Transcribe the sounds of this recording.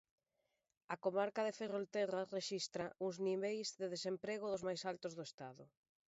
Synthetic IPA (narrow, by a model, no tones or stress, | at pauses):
akomaɾkaðeferolt̪ɛrareʃist̪ɾaʔuŋzniβejzðeðesempɾeɣ̞ʊðʊzmajsalt̪ʊzðoest̪aðʊ̰